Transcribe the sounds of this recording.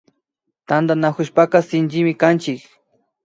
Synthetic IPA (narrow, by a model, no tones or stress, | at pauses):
t̪and̪anakʊʃpakasɪnt͡ʃɪmɪkant͡ʃɪk